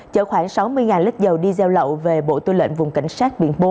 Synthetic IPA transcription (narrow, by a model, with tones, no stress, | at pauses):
t͡ɕə̰˧˩xwaː˧˩ŋsa˨˦wmɨ˧əjŋaː˨˩nlɨ˦˥k̚zə˨˩wɗi˧zɛ˧wlə̰˧˨wve˨˩ɓo̰˧˨t̪ɨ˧lwḛ˧˨nvʊ˨˩ŋ͡mka̰˧˩jŋ̟saː˦˥t̚ɓḭ˧˨ənɓo˧˦